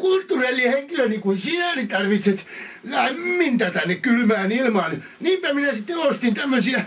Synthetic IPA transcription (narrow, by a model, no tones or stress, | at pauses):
kult̪ːurelːiheŋkilønikunsiælit̪ɑrʋit̪set̪ | læmːint̪æt̪ænːekkylmæːnilmɑːn | niːmpæminæsit̪ːeost̪int̪æmːøsiæ